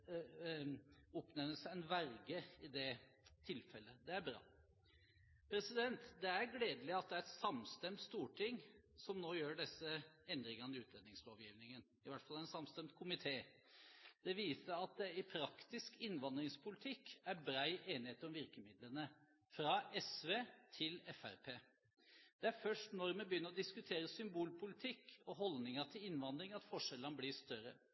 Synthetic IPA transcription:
ɔpnɛnəsɛnʋæɾɡəɪd̪ɛ | t̪ʰɪlfɛlːəd̪ɛæɾbɾɑ̰ː | pʰɾɛsɪd̪ɛnt̪d̪ɛæɾɡleːd̪əlɪɑt̪̚d̪ɛæɾɛsɑmst̪ɛmt̪st̪uːʈʰɪŋ | sɔmnoːjøːɖɛsːəɛnd̪ɾɪŋɑnɪʉːt̪lɛnːɪŋsloːʋjiːʋnɪŋən | ɪʋæʈfɑlææɛnsɑmst̪ɛmt̪̚kʰʊmɪt̪ʰeː | d̪̥ɛʋiːsəɾɑt̪̚d̪ɛɪpʰɾɑkt̪ɪskɪnːʋɑnd̪ɾɪŋspʰʊlɪt̪ʰɪkːæɾbɾæɪʔeːnɪheːt̪əɾɔmʋɪɾkəmɪd̪lənə | fɾɑɛsʋeːt̪ʰɪlɛfæ̰ɾpʰeː | d̪̥ɛæɾfœʂʈnɔɾmɛbəjʏnːəɾɔd̪ɪskʉt̪ʰeːɾəsʏmbuːlpʰʊlɪt̪ʰɪkːɔɦɔlnɪŋəʈʰɪlɪnʋɑnd̪ɾɪŋɑt̪fɔʂɛlənəblɪʂt̪œɾə̰

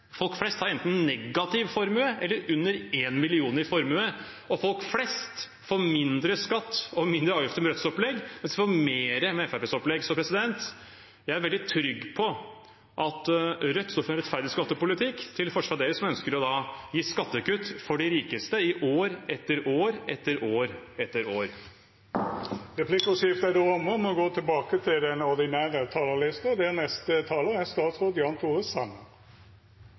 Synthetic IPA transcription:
fɔlkflɛst̪hɑɾɛnt̪n̩nɛɡːɑt̪ʰɪʋfɔɾmʉəʔɛlːəɾʉnːəɾeːnmɪlɪuːnəɾɪfɔɾmʉə | ɔfɔlkflɛst̪ | fomɪnd̪ɾəskɑt̪ːɔmɪnd̪ɾəɑːʋjʏft̪əmɛɾœt̪sɔplɛɡmɛnsd̪ɪfɔmeːɾəmɛɛfæpɛsɔplɛɡsɔmpʰɾɛsɪd̪ɛnt̪ | jæɪæɾʋɛld̪ɪt̪ʰɾʏɡːpʰɔ | ʔɑt̪ɾœt̪ːst̪ɔfəɛnɾɛt̪fæɾd̪ɪskɑt̪ːəpʊlɪt̪ʰɪkːt̪ʰɪlfɔʂʋɑɾd̪eːɾəsɔmœnskəɾɔd̪ɑjiːskɑt̪ːəkʉt̪ːfɔɖɪɾiːkəst̪əɪʔoːɾɛt̪ːəɾoːɾɛt̪ːəɾoːɾɛt̪ːəɾoːɾ | ʁɛpʰlɪkʊsɪft̪æd̪uɔməmɔɡoːt̪ʰɪlbɑːkət̪ʰɪld̪ɛnɔɾd̪ɪnæːʁət̪ʰɑːləlɪst̪əd̪ɛænɛst̪ət̪ʰɑːləæst̪ɑːt̪sʁoːd̪jɑːnt̪ʰuːʁəsɑmə

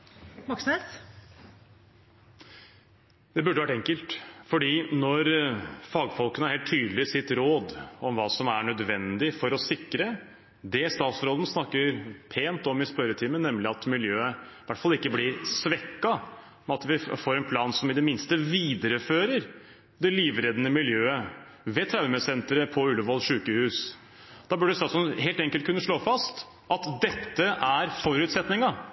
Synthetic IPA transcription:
mɔkses | d̪̥ɛbʉɖːəʋæʈːɛŋkəlt̪fɔɖiːnɔɾfɑːɡfɔlˠkənəæɾheːlt̪ʰːyːd̪lɪsɪt̪ɾoːd̪ɔmʋɑːsɔmæɳœd̪ʋɛnd̪ɪfɔɾɔsɪkːɾə | d̪ɛst̪ɑːt̪sɾoːd̪n̩snɑkːəɾpʰeːnt̪ɔmɪspœɾət̪ʰɪːmənɛmlɪɑt̪mɪljøːəʋæʈfɑlɪkːəblɪɾsʋɛkːɑ | mɛɑt̪ʋɪfoːɾɛnpʰlɑːnsɔmɪd̪ɛmɪnst̪əʋiːd̪əɾəføːɾəɾ | d̪ɛliːʋɾɛd̪ənəmɪljøːə | ʋɛt̪ʰɾaʉmɛsɛnt̪ɾəpʰɔʉlːəʋɔlʂʉːkəhʉːs | d̪̥ɑːbʉɖɛst̪ɑːt̪sɔɦeːlt̪ɛŋkəlt̪kʉnːəʂɭoːfɑst̪ | ʔɑt̪d̪ɛt̪ːəʔæɾfɔɾʉːt̪sɛt̪nɪŋɑ

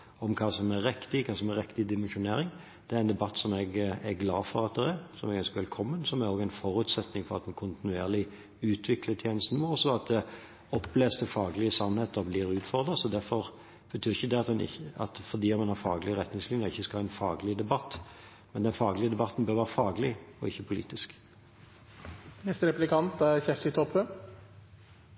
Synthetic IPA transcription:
ɔmkʰɑːsɔmɛɾɛkt̪ɪkʰɑːsɔmɛɾɛkt̪ɪd̪ɪmɛnʃʊneːɾɪŋ | d̪̥ɛæɾɛnd̪ɛbɑt̪ːsɔmɛɡɛɾɡlɑːfɔɾɑt̪̚d̪ɛɾɛɾsɔmɛɡœnskʋɛlkʰɔmːənsɔmæɾoːɡæɪnfɔɾʉːt̪sɛt̪nɪŋfɔɾɑt̪mɛnkʰʊnt̪ɪnʉeːʁlɪ | ʉːt̪ʰʋɪklət̪ʰjeːnəst̪n̩mɔɔsɔɑt̪̚d̪ɛ | ɔpːleːst̪əfɑːɡəlɪəsɑnheːt̪əɾɔbliːɾʉːt̪fɔɾd̪ɾəsɔd̪æɾfɔɾ | b̥ət̪ʰyːʁɪçəd̪ɛɑt̪d̪ɛnɪ̰ɑ̰t̪fɔɾd̪iːɑt̪mɑnhɑɾfɑːɡlɪəʁɛt̪nɪŋslɪnjəʁɪçːəskɑlːæɪnfɑːɡlɪd̪ɛbɑt̪ː | mɛnd̪ɛnfɑːɡlɪəd̪ɛbɑt̪n̩bøːɾʋæːʁəfɑːɡlɪɔɪçːəpʰʊlḭːt̪ɪsk | nɛst̪əɾɛplɪkʰɑnt̪æçɛft̪ɪt̪ʰɔphə

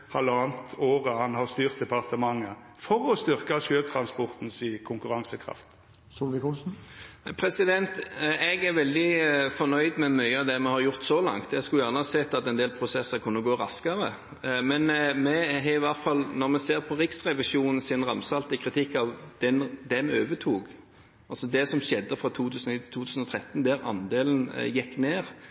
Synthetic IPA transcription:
hɑlɑːnt̪oːʁəhɑnhɑst̪yːʁt̪̚d̪ɛpʰɑʁt̪əmɑŋːə | fɔʁɔst̪ʏʁkɑʃøːt̪ʰɾɑnspɔʁt̪n̩sikʰʊŋkʉɾɑŋsəkʰʁɑ̰ft̪ | suːlʋɪkusn̩pʰɾɛsɪd̪ɛnt̪ɛɡæɾʋɛld̪ɪfɔnœʏd̪mɛmœʏəɑd̪ɛmɛhɑɾjʊʁt̪sɔlɑ̰ŋt̪ɛɡskʉljæːʁnəhɑːsɛt̪ːɑt̪ɛnd̪eːlpʰʁʊsɛsːəɾkʰʉnːəɡoːɾɑskəɾə | mɛnmɛɦɛɪʋɑʁt̪fɑlnɔɾmɛseːɾpʰɔʁɪksʁɛʋɪʃuːnn̩sɪnʁɑmsɑlt̪ɪkʰɾɪt̪ʰɪkːɑʋd̪̥ɛnd̪ɛmɛøːʋət̪ʰuːɡ | ʔɑlsɔd̪ɛsɔmɕɛd̪ːəfʁɑt̪ʰuːt̪ʰʉːsənt̪ʰɪlt̪ʰuːt̪ʰʉːsn̩ɔt̪ʰɾɛt̪ːnd̪æɾɑ̰nd̪eːlən̩jɛkːneːɾ

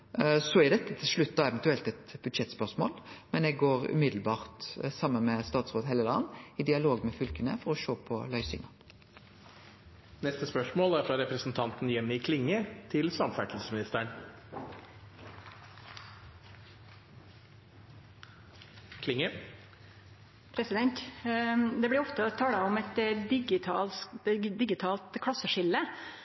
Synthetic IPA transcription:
sɔæɾd̪ɛt̪ːət̪ʰɪlʂɭʉt̪ːɑɛʋɛnt̪ʉɛlt̪ɛt̪bʉd̪ʃɛt̪spœʁsmo̰ːlmɛnɛɡɡoːɾʉ̰mɪd̪lbɑːʁt̪sɑmːənmɛst̪ɑːt̪sʁoːd̪heːləlɑnːɪd̪ɪɑloːɡmɛfʏlkənə̰fɔɾɔʃoːpʰɔlœʏsɪ̰ŋɑ | nɛst̪əspœʂmoːlæɾfɾɑɾɛpɾəsn̩t̪ʰɑnt̪n̩jɛmːɪkʰlɪŋːət̪ʰɪlsɑmfæʈlsəsmɪnɪst̪əɳ | kʰlɪŋːə | pʰɾɛsɪd̪ɛnt̪ | d̪ɛbɽɪɾɔft̪ət̪ʰɑːləɔmɛt̪d̪ɪɡɪt̪ʰɑld̪ɪɡɪt̪ʰɑːlt̪kʰɽɑsəʂɪlːə

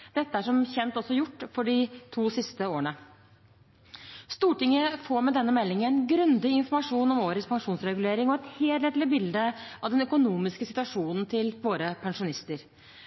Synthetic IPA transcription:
d̪̥ɛt̪ːəæʂɔmçɛnt̪ɔsːɔjʊʈːfɔɖɪt̪ʰuːsɪst̪əoːəɳə | st̪uːʈɪŋːəfoːɾmɛd̪ɛnːəmɛlːɪŋəæɛnɡɾʉnd̪ɪɪnfɔɾmɑʂuːnɔmoːɾət̪spʰɑŋʂuːnsɾɛɡʉleːɾɪŋɔɛt̪heːlt̪ɛt̪lɪbɪld̪əɑʋd̪ɛnœkʊnuːmɪskəsɪt̪ʉʋɑʂuːnn̩t̪ʰɪlʋoːɾəpʰɑŋʂʊnɪst̪əɾ

